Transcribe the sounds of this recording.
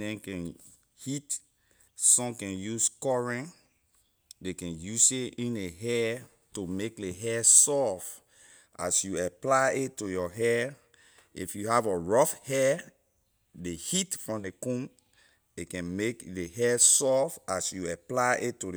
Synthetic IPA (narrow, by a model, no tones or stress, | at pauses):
ɛ̃nkɛ̃n | hit | sɔ̃mkɛ̃njuskɔɹɛ̃n | dekɛ̃njuseĩneɦɛ | tomek̚leɦɛsɔf | a̰sjuaplaɪetːujɔɦɛ | ḭfjuhavəɹɔfhɛ | dehitfɹɔ̃mdekũm | dekɛ̃nmekdeɦɛsɔfasjuaplaʔetːud